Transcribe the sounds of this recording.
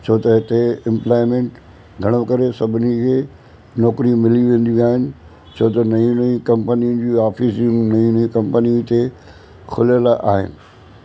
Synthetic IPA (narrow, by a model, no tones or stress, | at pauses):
t͡ɕʰoːt̪ɐɦɪt̪eɪ̃mplaːɪmẽːɳʈ | ɡʱɐɽ̃õkɐɾesɐbʱɪnikʰeː | nɔːkɾimɪliʋẽːn̆d̪iaːɦɪnɪ̆ | t͡ɕʰoːt̪ɐnɐĩnɐĩkɐ̃mpəniʊn̆d͡ʑiːaːfiːsĩŋnɐĩnĩkɐ̃mpənit̪e | kʰʊljəlaʔaːɦɪ̰nɪ̆